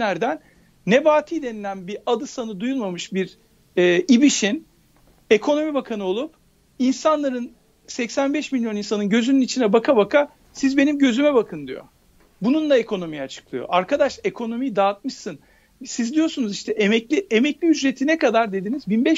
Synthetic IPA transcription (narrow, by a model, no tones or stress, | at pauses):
æɾd̪ænː | ebaːt̪ʰid̪e̞nilʲænbiad̪ɯsanɯd̪ujulˠmamɯʃbiɾ | ɛːibiʃin | e̞kʰo̞no̞mibakʰanɯo̞lˠup̚ | insanlˠaɾɯn | sɛcsænbɛʃmilʲjo̞nins̬anɯnɟø̞zynynit͡ʃʰinɛbakʰabakʰa | sizbe̞nimɟø̞zymɛbakʰɯnd̪ijo̞̰ | bununlˠae̞kʰo̞no̞mijat͡ʃʰɯ̥klˠɯjo̰ʔaɾkʰad̪aʃe̞kʰo̞no̞mijd̪aːt̪̚mɯʃsɯn | sizd̪ijo̞sunuziʃt̪ʰɛʔemɛclʲiemɛclʲiyd͡ʒɾe̞t̪ʰinɛkad̪aɾd̪e̞d̪inizbinbɛʃ